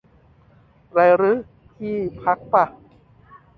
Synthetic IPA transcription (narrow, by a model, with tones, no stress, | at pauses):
ɾa˧˩ɾɯ˦˥ | t̪ʰiː˥˩pʰa˦˥k̚pa˧˩